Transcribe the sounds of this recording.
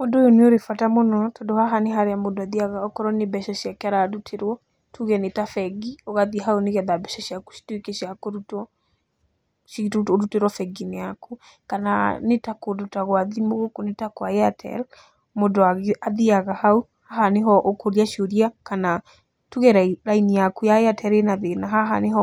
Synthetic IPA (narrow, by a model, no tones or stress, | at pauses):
mondojoneoɾefatamonɔtɔdohaɦaneɦaɾeamodoaðiaɣaɔkɔɾɔnebɛʃaʃiakaɾaɾutʰeɾwɔ | tuɣɛnetafɛɡiɔɣaðiɦaoneɣɛðabɛʃɔʃiaku̥ʃi̥twekeʃiakoɾutɔ | toɾuteɾwɔfɛɡineako | kananetakodutaɣwaðimoɣokonetakoaeatʰɛ̰l | modoaɣaðiaɣahau | haɦaneɦɔʔokoɾiaʃoɾiakana | tuɣɛɾaɾainijakujaeatʰɛɾenaðenaɦaɦaneɦɔ